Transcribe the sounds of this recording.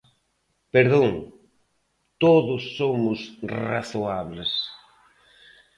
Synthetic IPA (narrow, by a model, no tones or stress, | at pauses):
peɾðõŋ | t̪oðʊsːomʊsra̰θoaβles